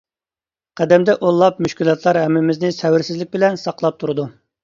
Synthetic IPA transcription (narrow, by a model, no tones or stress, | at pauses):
qʰæd̪ɛmd̪ɛʔolˠːɑp̚myʃkʲilˠjɑt̪ʰlˠɑɾɦɛmːɪmɪznɪsɛwɪɾsɪzlɪk̚ʲbɪlɛnsɑqlˠɑp̚t̪ʰuɾɨd̪u